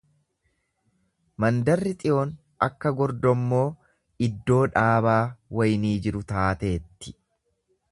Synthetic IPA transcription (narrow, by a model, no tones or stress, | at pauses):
mɐnd̪ɐrːɪt̪ʼɪʔoːn | ɐkːɐɡɔɾd̪ɔmːo̞ː | ɪd̪ːo̞ːᶑaːβaːwɐjniːd͡ʒɪɾʊt̪aːt̪e̞ːt̪ːɪ̥